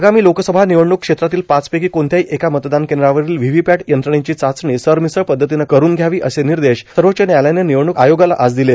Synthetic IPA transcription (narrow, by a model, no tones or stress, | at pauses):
ɡamiːlokəsəbʱaniʋəɳukʂet̪ɾat̪iːlpat͡spekiːkoɳt̪jaɦiːʔekamət̪d̪ankeɳɖɾaʋəɾiːlʋiʋipæʈjənt̪ɾəɳ̃ẽt͡ɕiːt͡sat͡sɳisəɾmisəɭpəd̪ʱːət̪inakəɾuːnɡʱjaʋiːʔəseniɾd̪eɕsəɾʋət͡ɕenjajlaneniʋəɳukajoɡalaʔad͡zd̪ile